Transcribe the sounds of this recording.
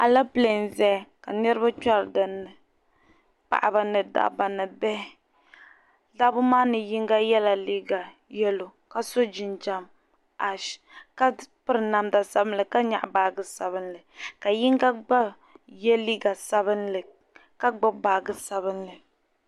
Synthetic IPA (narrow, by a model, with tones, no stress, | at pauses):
a˨la˦ple˨nzɛ˦˨ka˨nɛ˦ɾɨ˦ba˦t͡ʃa˦ɾdɨ˨nɨ˨ | pa̰˨ʔa˨ba˨nɨ˨da̰˨ba˨nɨ˨bɛ˦ | da˦bʊ˦maː˦nɨ˨ji˦ŋɡa˦jɛ˦la˨liː˦ɡa˨ | jɛ˦lo˨ka˦so˦d͡ʒi˨nd͡ʒa˦m | a˨ʃka˦pɨ˦ɾɨ˨na˨mda˨sa˦bɨ˦nlɨ˨ka˦ɲa̰˨ʔbaː˨ɡɨ˦sa˨βɨ˦nlɨ˨ka˨ji˦ŋɡa˦ɡ͡ba˦ | jɛ˦liː˦ɡa˨sa˦bɨ˦nlɨ˨ | ka˦ɡ͡ba˦baː˨ɡɨ˦sa˨βɨ˦nlɨ˨